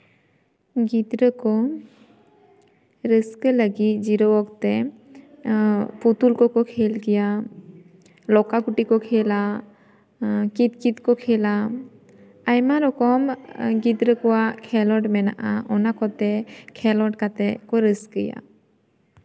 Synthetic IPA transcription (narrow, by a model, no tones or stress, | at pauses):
ɡit̪ɾəkɔ | ɾəskələɡit̪̚d͡ʒiɾɔwɔk̚t̪ɛ | put̪ulkɔkɔkʰelkija | lɔkakuʈikɔkʰɛla | kit̪̚kit̪kɔkʰɛla | ajmaɾɔkɔmɡit̪ɾəkɔwakʰɛlɔʈmɛna̰ʔaɔnakɔt̪ɛkʰɛlɔʈkat̪ɛkɔɾəskəja̰